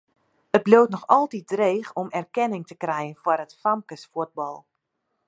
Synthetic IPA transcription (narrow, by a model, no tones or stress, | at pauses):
ət̚blowtnɔxɔlˠtit̚dreːxɔmɛrkɛnɪŋtəkrɛjənfwɔrətfamkəsfuəd̚bɔlˠ